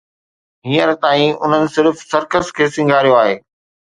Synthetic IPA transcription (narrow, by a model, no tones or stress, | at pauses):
ɦĩːəɾt̪aːĩʊ̰n̤ənɪ̆sɪɾfsɐɾkəskʰeːsɪ̃ŋɡʱaːɾjoaːɦeː